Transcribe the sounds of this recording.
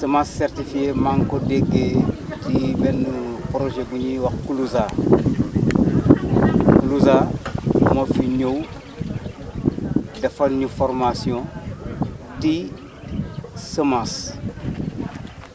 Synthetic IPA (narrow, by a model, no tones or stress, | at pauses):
səmasːɛrtifiemaŋkodeɡetibɛnːupɾoʒeɡuɲiwɐkkuluza | kuluza | mofiɲow | dɐfɐlɲifɔɾmasiɔ̃ | ti | səmãs